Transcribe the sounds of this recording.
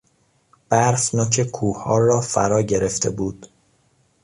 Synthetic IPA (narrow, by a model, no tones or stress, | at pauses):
b̥æɾsnoːcʰe̞kʰuːhɒːrɒːfæ̰ɾɒːɟe̞ɾe̞ft̪ʰe̞̰buːd̪̥